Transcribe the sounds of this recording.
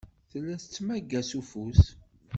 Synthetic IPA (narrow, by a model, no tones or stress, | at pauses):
θəlːæθət͡sːmæɡːæsufus